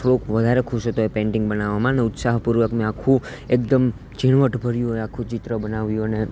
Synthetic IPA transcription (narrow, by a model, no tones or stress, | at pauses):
fʰlokʋəd̪ʱaɾekʰuʃɦət̪oepẽɳʈɪ̃ŋɡbənaʋamãneʊt̪saɦpuɾʋəkmẽakʰũ | ek̚d̪əm | d͡ʒiɽ̃ʋəʈbʱəɾjũɦoakʰũt͡ʃit̪ɾəbənaʋjũəne